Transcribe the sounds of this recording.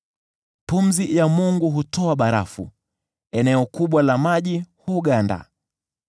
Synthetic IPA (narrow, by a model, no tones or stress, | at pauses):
pum̩zijamuŋɡuɦutɔaɓaɾa̰fṵ | ɛnɛɔkuɓwalamaʄihuɡanda̰